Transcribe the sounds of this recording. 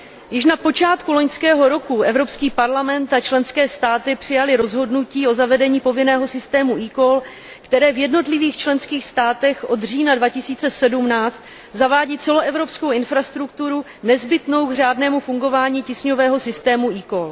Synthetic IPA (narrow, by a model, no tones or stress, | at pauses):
jɪʃ̬napo̞t͡ʃaːt̪kulo̞ɲskɛːɦo̞ɾo̞kuʔɛvɾo̞pskiːpaɾlamɛnt̪at͡ʃlɛnskɛːst̪aːt̪ɪpr̝̥ɪjalɪɾo̞zɦo̞dnuciːo̞zavɛdɛɲiːpo̞vɪnɛːɦo̞sɪst̪ɛːmuʔiːkol | kt̪ɛɾɛːvjɛdno̞t̪lɪviːxt͡ʃlɛnskiːxst̪aːt̪ɛxʔo̞d̪riːnadvacɪsiːt͡sɛsɛdumnaːt͡st̪ | zavaːɟiːt͡sɛloɛvɾo̞pskowɪnfɾast̪ɾukt̪uɾu | nɛzbɪt̪no̞wɡr̝aːdnɛːmufuŋɡo̞vaːɲiːcɪsɲo̞vɛːɦo̞sɪst̪ɛːmuiːkol